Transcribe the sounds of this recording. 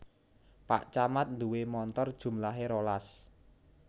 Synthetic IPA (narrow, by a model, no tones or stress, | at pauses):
pa̰ʔt͡ʃamat̪̚nd̪uwemɔnt̪ɔrd̥ʒ̥ṳmlaɦeɾolas